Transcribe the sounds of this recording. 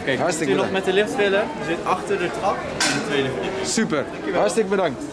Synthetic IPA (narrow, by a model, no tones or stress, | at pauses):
kɛɦɑrsləknɔχmɛtəlɪxtfɪləəzɪtɑχtərdətɑf | ɛnətʋejdəvesypər | ɦɑɹslək̚bədɑŋkt